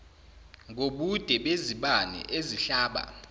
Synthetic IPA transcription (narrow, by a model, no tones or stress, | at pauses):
ŋoɓud̥ʱɛɓeziɓanɛ̰ʔeziɬaːɓa̰